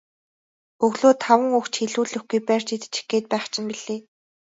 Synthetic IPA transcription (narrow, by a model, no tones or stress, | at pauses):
ɵɣɮoːt̪ʰːawə̆ŋɵkt͡ɕxeɮuːɮɵ̆xɡujpær̥t͡ɕit̪ɘ̥̆t͡ɕi̥xɡeːt̪̚pæːχt͡ɕʰɪ̆npiɮeː